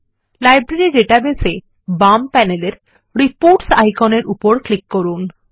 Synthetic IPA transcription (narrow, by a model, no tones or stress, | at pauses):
lajbɾeɾiɖeʈabese | bampɛneleɾ | ɾipoɾʈsajkʰoneɾupoɾklikːoɾun